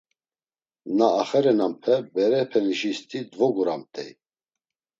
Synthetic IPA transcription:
naːχɛɾɛnampʰɛbɛɾɛpʰɛniʃist̪ʰʼid̪vɔɡuɾamt̪ʼɛ̰j

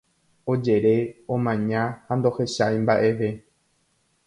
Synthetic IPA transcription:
o̞d͡ʒe̞ɾe̞õmãɲãhand̪o̞he̞ʃajmbaʔe̞ʋe̞

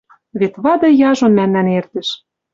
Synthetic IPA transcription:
βet̪βɑd̪ɤ̆jɑʒŏnmænːænert̪ɘ̆ʃ

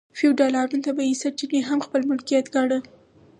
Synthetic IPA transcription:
fiwɖɑlɑɾunt̪abaisat͡ʃineɦamxpəlmʊlkijat̪ɡɑɽə

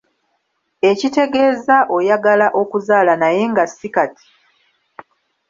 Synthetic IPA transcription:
e̞cite̞ɡe̞ːzaʔo̞jaɡalaʔo̞kuzaːlanaje̞ŋɡasːikati̥

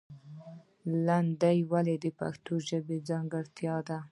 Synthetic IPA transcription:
land̪ajwaled̪əpa̰xt̪oʒəbed͡zɑŋɡɪɽt̪jɑd̪a

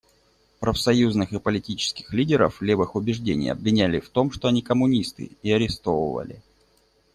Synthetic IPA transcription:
pɾəfsɐjuznɨxɨpəlʲɪtʲit͡ɕɪ̥skʲɪ̥xlʲidʲɪɾə̰flʲevɨxʊbʲɪʐdʲenʲɪ̰jɐ̰bvʲɪnʲælʲɪft̪o̞mʂt̪oɐnʲikəmʊnʲist̪ɨ̰ɪɐɾʲɪst̪o̞və̰və̰lʲɪ̰

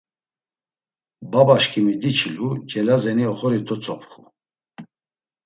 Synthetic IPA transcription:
babaʃkʰʼimid̪it͡ʃʰilud͡ʒɛlazɛniɔχɔɾit̪ʰɔt͡sʼɔpʰχu

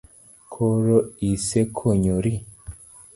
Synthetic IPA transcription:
kʰoɾoisekʰoɲoɾi

